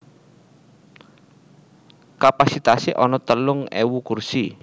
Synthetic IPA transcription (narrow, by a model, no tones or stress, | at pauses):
kapasit̪aseʔɔnɔt̪əlʊŋɛ̰wukursi